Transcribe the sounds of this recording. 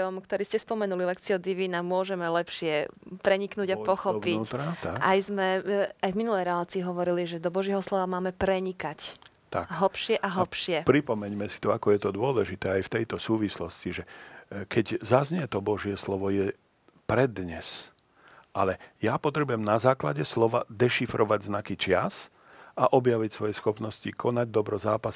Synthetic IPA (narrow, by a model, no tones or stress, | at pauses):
ɔmkt̪ɔɾiːscɛspɔmɛnulilɛkt͡siɔd̪iʋiːnamʊɔʒɛmɛlɛpʃɪɛpɾɛɲiknuːɟapɔxɔpit̪ɾat̪aʔajzmɛajvminulɛjɾɛlaːt͡siːɦɔʋɔɾiliʒɛd̪ɔbɔʒjɛɦɔslɔʋamaːmɛpɾɛɲikac | t̪a̰kɦl̩pʃɪɛʔaɦl̩pʃɪɛpɾipɔmɛɲmɛsi̥t̪ɔakɔjɛt̪ɔd̪ʊɔlɛʒit̪ɛːajft̪ɛjt̪ɔsuːʋislɔsciʒɛkʰɛɟzazɲɛt̪ɔbɔʒɪɛslɔʋɔjɛ | pɾɛd̪ɲɛs | ʔalɛjapɔt̪ɾɛbujɛmnazaːklaɟɛslɔʋad̪ɛʃifɾʔɔʋaɟznakit͡ʃɪas | aʔɔbjaʋicsʋɔjɛsxɔpnɔscikʰɔnaɟd̪ɔbɾɔzaːpas